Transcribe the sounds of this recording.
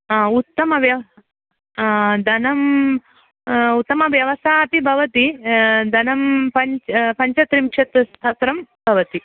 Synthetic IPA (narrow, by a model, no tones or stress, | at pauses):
ut̪ːɐmɐʋjɐ | d̪ʱɐnɐm | ut̪ːɐmɐʋjɐʋɐsaːt̪ibʱɐʋɐt̪id̪ʱɐnɐmpɐɲt͡ʃpɐɲt͡ʃɐt̪ɾimkʂɐt̪st̪ʰat̪ɾɐmbʱɐʋɐt̪i